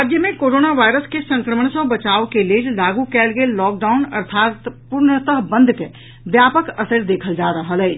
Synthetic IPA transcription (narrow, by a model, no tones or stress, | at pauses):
d͡ʒjəmẽkoɾonaʋajɾəskesə̃ŋkɾəməɳsə̃bət͡ʃawkeled͡ʒlaɡukɛːlɡelːɔːk̚ɖaʊnə̰ɾt̪ʰaːt̪puɾnət̪əɦbə̃nd̪ʱke | bjapəkəsəɾd̪ekʰəld͡ʒaɾəɦəlɛːt͡ʃ